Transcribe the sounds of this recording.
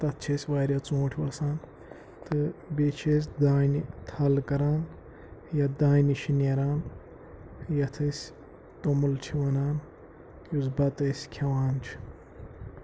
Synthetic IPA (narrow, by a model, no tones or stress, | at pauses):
t̪ɐt̪t͡ʃʰesʲʋaːɾʲɐt͡sõːʈʰʋɐsaːn | t̪ɨbet͡ʃʰes̬ʲd̪aːjnit̪ʰɐlkɐɾaːn | jɐd̪aːjniʃineɾaːn | jɐt̪ʰɨsʲ | t̪omult͡ʃʰiʋɐnaːn | jusbɐt̪ɐsʲkʰɐwaːnt͡ʃʰi̥